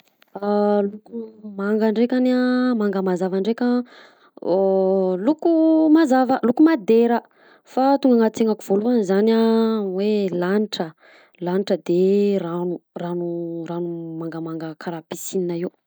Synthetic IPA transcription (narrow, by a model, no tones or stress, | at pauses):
alukumaŋɡaɳɖ͡ʐekʲanamaŋɡəmazavaɳɖ͡ʐekʲə | lukumazavəlukumad̪eɾə | fat̪uŋɡaŋat͡seŋakuv̥oluanizanawelaniʈ͡ʂə | laniʈ͡ʂəd̪eranuranuranumaŋɡəmaŋɡəkʰaɾapisininai